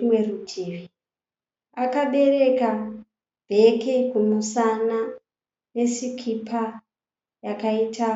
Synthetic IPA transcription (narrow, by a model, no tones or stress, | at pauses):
mwerutʰiːʋi | akaɓe̞re̞ka | bʱekekumusana | ne̞sikʰipʰa | jakaitʰa